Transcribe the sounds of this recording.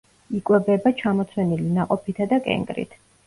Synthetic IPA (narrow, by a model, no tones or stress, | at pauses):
ikʼwɛbɛbat͡ʃʰamɔt̪sʰwɛnilinaqʼɔpʰit̪ʰad̪akʼɛ̰ŋɡɾḭt̪ʰ